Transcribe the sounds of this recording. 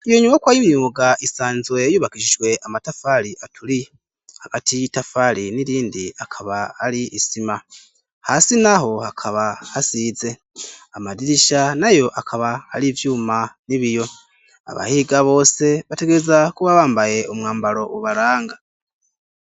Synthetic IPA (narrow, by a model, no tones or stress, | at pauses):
ijo̞ɲumokwajimuɡaʔisaːnzwe̞juːβakiʃiʒwe̞ʔamatafaɾiʔatʰuɾi | haɡ̥atʰijitafaɾiniɾiːndiakʰaβaaɾiːsima | hasinaɦo̞hakʰaβahasiːze̞ | amadiɾiʃanajo̞ʔakʰaβahaɾivjuːmaniβijo̞ | a̰βa̰hiːɡaβo̞ːse̞βate̞ɡe̞ɾezakuβaβaːmbaje̞umŋaːmbaɾo̞ʔuβaɾaːŋɡa